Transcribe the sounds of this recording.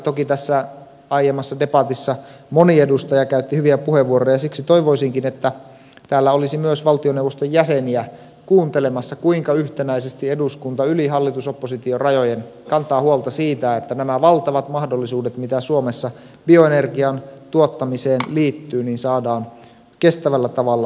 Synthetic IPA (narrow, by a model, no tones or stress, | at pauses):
t̪o̞kit̪æsːæ | ɑijemːɑsːɑde̞pɑt̪isːɑmoniedust̪ɑjɑkæyt̪ːihyʋiæpuheʋuoɾojɑsiksit̪o̞iʋo̞isiŋkinet̪ːæ | t̪æːlːæolisimyøsʋɑlt̪ionewʋost̪ojjæseniæ | kuːnt̪e̞le̞mɑsːɑkuiŋkɑyht̪enæisest̪ie̞duskunt̪ɑyliɦɑlːit̪usopːosit̪iorɑjojen | kɑnt̪ɑːhuolt̪ɑsiːt̪æet̪ːænæmæʋɑlt̪ɑʋɑt̪mɑhdolːisuːdet̪mit̪æsuomesːɑ | b̥io̞enerɡiɑnt̪uot̪ːɑmiseːnliːt̪ːyːniːnsɑːdɑːn | ke̞st̪æʋælːæt̪ɑʋɑlːɑ